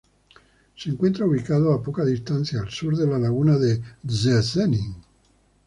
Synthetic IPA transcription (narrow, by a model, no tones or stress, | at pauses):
siːŋkwent̪ɾauβikaːdoapːɔkad̪ist̪ant̪sjaːlsuɾd̪elːalaɣuːnad̪ezesɛniŋ